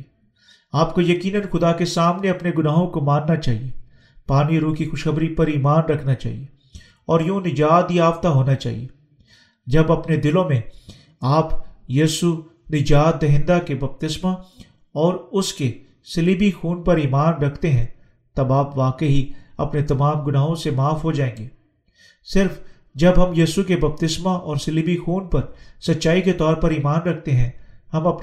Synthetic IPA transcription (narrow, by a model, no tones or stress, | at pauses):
aːp̚kojɐkiːnənxʊd̪akesaːmneɐpneɡʊnaːɦõkomãːnːat͡ʃaːɦie | paːniɾuːkixʊʃxɐbɾipɐɾiːmaːnɾɐkʰnat͡ʃa̰ːɦḭe | ɔːɾjõːnɪd͡ʒaːt̪iaːft̪aɦoːnat͡ʃa̰ːɦḭe | d͡ʒɐbɐpned̪ɪlõmẽ | aːpjiːsu | nɪd͡ʒaːt̪̚d̪ɐɦɪ̃nd̪akebɐp̚t̪ɪsma | ɔːɾʊske | sɪliːbixuːnpɐɾiːmaːnɾɐkʰt̪eɦɛ̃ | t̪ɐbaːpʋaːkəɦiɐ̰pnet̪ɐmaːmɡʊnaːɦõsemaːfɦod͡ʒaːẽːŋɡeː | sɪɾf | d͡ʒɐbɦɐmjiːsukebɐp̚t̪ɪsmaʔɔːɾsɪliːbixuːnpɐɾsɐtːʃaːiket̪ɔːɾpɐɾiːmaːnɾɐkʰt̪eɦɛ̃hɐmɐp